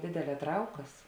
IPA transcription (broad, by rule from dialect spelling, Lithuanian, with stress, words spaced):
ˈdʲeːdʲɛˌlʲɛː ˈtrɐʊkɐs